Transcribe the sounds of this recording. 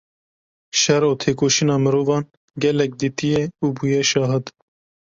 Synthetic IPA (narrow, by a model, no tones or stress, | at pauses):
ʃɛɾoːt̪ʰeːkoːʃinɑːmɨɾoːvɑːn | ɡʲɛlɛk̚d̪iːt̪ijɛuːbuːjɛʃɑːɦɨd̪